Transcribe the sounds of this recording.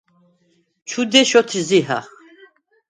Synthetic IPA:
t͡ʃʰud̪ɛʃɔt̪ʰiziɦa̰χ

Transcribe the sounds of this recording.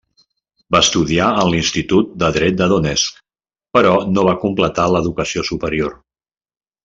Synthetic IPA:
baəst̪uðiaənlinst̪it̪ut̪̚d̪əðɾɛt̪̚d̪əðunɛsk | pəɾɔnoβ̞akumplət̪aləðukəsiosupəɾior

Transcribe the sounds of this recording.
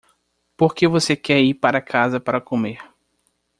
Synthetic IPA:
poɾkevosekɛɾipaɾɐkʰazɐpaɾɐkomeɾ

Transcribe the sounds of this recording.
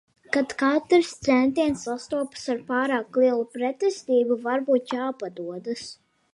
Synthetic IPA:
kat̪kat̪ɾst̪sɛnt̪iɛnsːast̪uɔpsaɾpaːɾaːklˠiɛlˠupɾɛt̪ɛst̪iːbuvaɾbuːt̪̚t͡ʃaːpad̪uɔd̪ɨs

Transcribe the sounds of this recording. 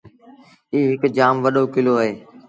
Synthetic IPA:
iːɦɪkd͡ʒaːmʋəɗoːkɪloːɦəɦeː

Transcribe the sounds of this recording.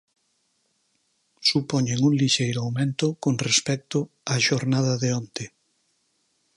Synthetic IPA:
supoɲeŋuŋliʃejɾʊawmẽnt̪ʊkoŋrespɛk̚t̪ʊ | aʃoɾnað̞ɐðeont̪ɪ

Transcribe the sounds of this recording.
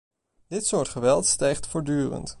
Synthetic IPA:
d̥ɪtsʊːɹtχəʋɛlˠtstɛjχtfʊːɹdyːrə̰nt

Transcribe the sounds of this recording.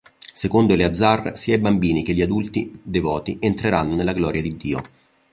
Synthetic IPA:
sekond̪oilead̪zːarsiːaibambiːnikeʎːiad̪ult̪id̪evɔːt̪ient̪ɾeɾanːonelːaɡlɔːɾjad̪id̪ːiːo̰

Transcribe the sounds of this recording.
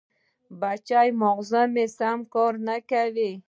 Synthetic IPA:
bat͡ʃajmɔʁzɔmesamkɔɾnakavi

